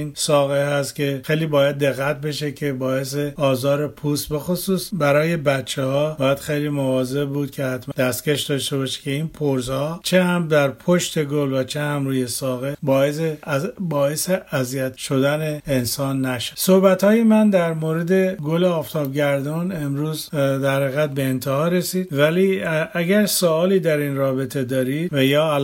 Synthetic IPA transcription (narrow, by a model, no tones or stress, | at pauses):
insɒːɣehæst̪cʲʰe̞xe̞jliːbɒːjæd̪ːe̞ɣːæt̪̚be̞ʃekʰe̞bɒːe̞s̬eɒːzɒːɾe̞pʰuːst̪̚be̞xosuːsbæɾɒːje̞bætt͡ʃʰehɒːbɒːjæd̪̥xe̞jliːmovɒːze̞bbuːd̪̥̚kʲʰe̞hæt̪ʰmd̪̥æst̪cʲeʃd̪ɒʃt̪e̞bɒːʃe̥cʰe̞inpʰoɾzhɒːt͡ʃʰehæmd̪æɾpʰoʃt̪e̞ɡolvæt͡ʃʰehæmɾuːje̞sɒːɣebɒːesebɒːeseæzijæt̪ʃo̞d̪æneensɒːnːæʃe̥sohbæt̪ʰhɒːjemænd̪æɾmoːɾed̪e̞ɡoleɒːft̪ʰɒːbɟæɾd̪ɒːne̞mɾuːzd̪æɾhæɣæt̪̚be̞ːnt̪ʰehɒːɾe̞siːd̪væliæɡæɾsoɒːliːd̪æɾinrɒːbe̞t̪ʰe̞d̪ɒːɾiːd̪̥̚væjɒːæl